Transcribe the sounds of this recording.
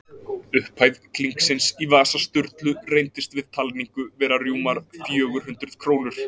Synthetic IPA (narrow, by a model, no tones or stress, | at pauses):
ʏhpʰajðkliŋksɪnsivaːsast̪ʏɾt̪lʏrejnt̪ɪst̪vɪðt̪ʰalniŋkʏvɛːɾarjuːmaɾfjœːɣʏɾ̥ɦʏnt̪ɾʏð̥kʰɾoːwnʏɾ̥